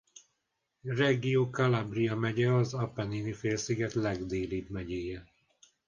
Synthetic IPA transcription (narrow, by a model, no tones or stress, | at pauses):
rɛɡioːkɒlabrijɒmɛɟɛɒzɒpɛninifeːlsiɡɛt̪lɛɡd̪eːlibmɛɟeːjɛ